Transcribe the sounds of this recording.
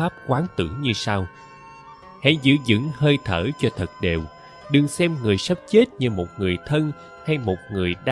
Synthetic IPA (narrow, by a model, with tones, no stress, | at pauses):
aː˦˥p̚kwaː˨˦nt̪ɨ̰˧˩ɲɨ˧saː˧w | ha̰˧˥zɨ̰˧˥zɨ̰˧˥ŋhəː˧jt̪ʰəː˧˩t͡ɕɔ˧t̪ʰə˨˩t̚ɗe˨˩w | ɗɨ˨˩ŋsɛ˧mŋɨ˨˩əjsə˦˥p̚t͡ɕe˦˥t̚ɲɨ˧mo˨˩t̚ŋɨ˨˩əjt̪ʰə˧n | ha˧jmo˨˩t̚ŋɨ˨˩əjɗa˧